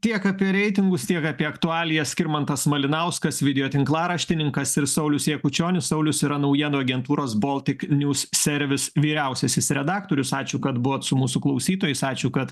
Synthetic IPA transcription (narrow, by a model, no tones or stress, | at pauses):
t̪ʲiɛkɑːpʲiɛɾʲɛɪt̪ʲɪŋɡʊst̪ʲiɛkɑːpʲiɛɐkt̪ʊɑːlʲɪjɛsʲkʲɪɾmɐnt̪ɐsmɐlʲɪnɐʊskɐsʋʲɪd̪ʲɛjoːt̪ʲɪŋklˠɑːɾɐʃʲt̪ʲɪnʲɪŋkɐsɪɾsɐʊlʲʊsjeɛkʊt͡ʃʲoːnʲʊssɐʊlʲʊsɪɾɐnɐʊjiɛnoɐɡʲɛnt̪uːɾoːsboːlˠʲt̪ʲɪknʲuːssʲɛɾʲʋʲɪsʋʲiːɾʲɛˑʊsʲɛsʲɪsɾʲɛd̪ɑːkt̪oːɾʲʊsɑːt͡ʃʲuːkɐt̪bʊʋoːt̪sʊmuːsʊklˠɐʊsʲiːt̪oːjɛɪsɑːt͡ʃʲuːkɐt̪